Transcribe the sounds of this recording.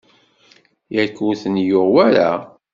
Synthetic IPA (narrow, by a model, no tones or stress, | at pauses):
jækːuθənjoʁwæɾa